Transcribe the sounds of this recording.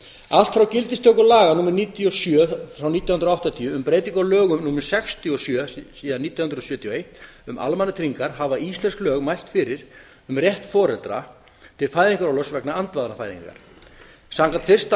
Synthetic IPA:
al̥t̪fɾawcɪlt̪ɪst̪ʰœwkʏlaːɣanuːmɛɾniːt̪iɔsjœːfɾawniːt̪jawhʏnɾɔawht̪at̪ʰiːʏʏmpɾeːjt̪iŋkɔlœːɣʏmnuːmɛɾ̥sɛxst̪ʰiɔsjœːsiːðanːiːt̪jawhʏnɾɔsjœːt̪ʰjɔejht̪ʏmʔa̰lmanat̪ʰɾiŋkaɾ̥havaist̪lɛnsklœːɣmajst̪fɪɾɪɾ̥ | ʏmrjɛht̪fɔːɾɛlt̪ɾa̰ | t̪ʰɪlfaːjðiŋkaɾɔlœsvɛknaant̪vaðnafaːjðḭŋka̰ɾ̥ | saŋkat̪fɪr̥st̪

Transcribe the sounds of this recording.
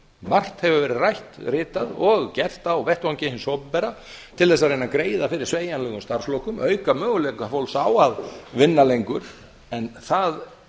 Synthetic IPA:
mar̥t̪hɛvʏvɛːɾɪðrajht̪rɪːt̪aðɔɣcɛr̥t̪awvɛht̪vancejhɪnsɔwppɛɾa | t̪ʰɪlðɛs̬ːaðɾreːjnakɾeːjðafɪɾɪɾ̥sveːjanlœːɣʏmst̪aɾ̥slowkʏmœɥkamœːɣʏlɛkafowlsaːwaðvɪnːalejŋkʏɾ̥ | ɛnθað

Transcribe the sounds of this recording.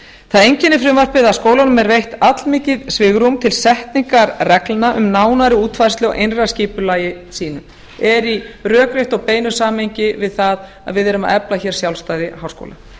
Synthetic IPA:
θaðejɲcɪnːɪfɾɪmvar̥pɪðaskoːwlanʏmɛɾvejht̪at̪lmiːcɪðsvɪːɣɾumt̪ʰɪlsɛht̪niŋkaɾrɛklnaʔʏmnaːwnaɾɪuːt̪faɾst̪lɪɔ̰ʔejnrasciːpʏlaːjɪsiːnʏm | ɛɾirœːkɾeht̪ɔɣpeːjnʏ̥saːmhejɲcɪvɪðθað | a̰ðvɪðɛɾʏma̰ðɛplaçɛɾ̥sjawlst̪aːjðɪhawsko̰wla̰

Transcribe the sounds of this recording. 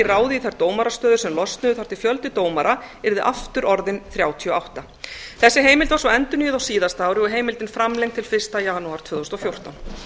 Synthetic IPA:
ɪraːwðɪiθajɾt̪oːwmaɾast̪œːðʏɾ̥sɛmlɔst̪nʏðʏθḁt̪ɪfjœlt̪ɪt̪oːwmaɾaɛɾðɪʔaft̪ʏɾʔɔɾðɪnθɾjaːwt̪ʰiɔawht̪a | θɛsːɪɦeːjmɪlt̪vaɾsvɔɛnt̪ʏniːjʏðawsiːðast̪aːwɾɪɔɦeːjmɪlt̪ɪnfɾamlejŋkt̪ʰɪlfɪr̥st̪ajaːnuaɾ̥t̪ʰvʏːðousnt̪ɔfjowr̥t̪a̰wn

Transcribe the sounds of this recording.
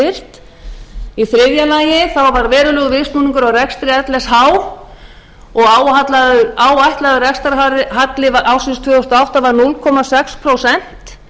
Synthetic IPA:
ɪr̥t̪ | iθɾɪðjalaːjɪθawvaɾvɛːɾʏlœɣvɪst̪nuːniŋkʏɾawrɛkst̪ɾɪɛt̪lɛshaːw | ɔɣawhat̪laðʏaːwajht̪laðʏrɛkst̪aɾɦaɾɪɦat̪lɪvaʔawsɪnst̪ʰvœːʏst̪awht̪avaɾnʊlkʰɔmasɛkspʰɾowsɛn̥t̪

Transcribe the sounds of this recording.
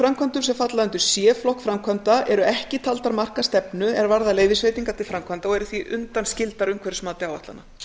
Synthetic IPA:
fɾamkʰvant̪ʏmsɛmfat̪laðɛnt̪ʏsjɛːflɔhkfɾamkʰant̪aʔɛɾʏɛhcɪt̪ʰalt̪aɾmar̥kast̪ɛpnʏɛɾvaɾðaleːjðɪsveːt̪iŋkat̪ʰɪlfɾamkʰvant̪aɔɣɛɾʏθviʔʏnt̪anscɪlt̪aɾʏmkʰvɛɾɪsmaːt̪ɪaːwvaht̪a̰na̰

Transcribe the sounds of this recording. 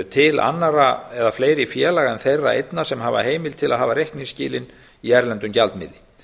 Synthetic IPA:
t̪ʰɪla̰nːaɾaɛðafleːjɾɪfjɛːlaɣaɛnθejrːa̰ḛjt̪nasɛmɦaːva̰ɦeːjmɪlt̪ʰɪlaðɦaːvaɾehkniŋscɪ̰ːlɪn | iɛɾlɛnt̪ʏmcalt̪mɪ̰ðlːɪ

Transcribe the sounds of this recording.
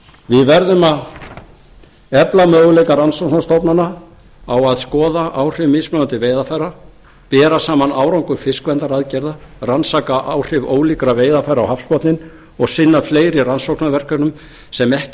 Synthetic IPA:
vɪðvɛɾðʏmað | ɛplamœːɣʏlejkaransawknast̪opnana | awaðskɔːðaʔawr̥ɪvmɪːsmœant̪ɪveːjðafajɾa | pɛːɾasaːmanaːwɾawŋkʏɾ̥fɪskvɛnt̪aɾaðcɛɾðaransaːkaʔawr̥ɪvo̰ːwliːkɾaveːjðafaːjɾawhafspɔt̪nɪn | ɔɣsɪnːafleːjɾiransowknavɛr̥kœɾnʏm | sɛmɛhc

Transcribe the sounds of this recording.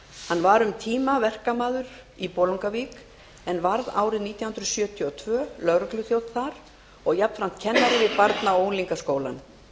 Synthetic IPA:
hanːvaɾʏmt̪ʰiːmavɛr̥kamaːðʏɾ̥ | ipɔːlowŋkaviːk | ɛnvaɾðaːwɾɪðniːt̪jahʏnɾʏsjœːt̪ʰiɔt̪ʰvœːlœɣɾʏklʏθjow̪t̪θaɾ̥ | ɔɣjapn̥fɾam̥t̪̚cʰɛnːaɾɪvɪðpaɾt̪naoːwnliŋkaskoːwla̰n

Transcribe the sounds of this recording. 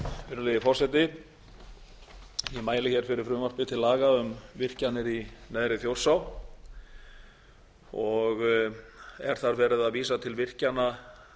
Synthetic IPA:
fɪɾʏlɛðɪfɔr̥sɛt̪ɪ | jɛmaːjlɪçɛɾ̥fɪɾɪɾ̥fɾʏːmar̥pɪt̪ʰɪlaːɣaʏmvɪr̥canɪɾinɛːðɾɪθjowr̥saw | ɔɣ | ɛ̰ɾ̥θaɾvɛːɾɪðaðviːsat̪ʰɪlvɪr̥cana

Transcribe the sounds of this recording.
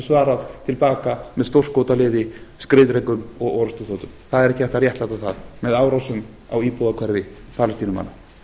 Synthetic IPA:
svaːɾaðt̪ʰɪlpaːkamɛðst̪owr̥skowt̪alɪːðɪskɾɪðɾejkʏmɔɣɔːɾast̪ʏθoːt̪ʏmθaðɛɾɛhcɪθɛht̪arjɛht̪lajt̪aθaðmɛðaːwɾawsʏm | a̰wiːpɔðakʰvɛɾvɪpʰaɾlast̪iːnʏma̰na

